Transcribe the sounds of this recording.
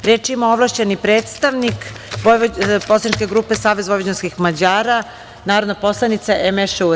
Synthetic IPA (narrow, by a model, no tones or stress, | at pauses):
ɾeːt͡ʂimaoʋlaʃt͡ɕenipɾeːt̪st̪aʋnikʋoposlˠanit͡ʃkeɡɾuːpesaːʋezʋoʋod͡ʑenskixmad͡ʑaːɾa | naːɾod̪napo̞slˠanit̪saʔemeʃeu